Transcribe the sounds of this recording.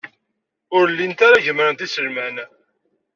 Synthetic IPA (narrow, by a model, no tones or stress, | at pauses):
ʊɾlːint̪aɾaʝəmɾənt̪isəlmæn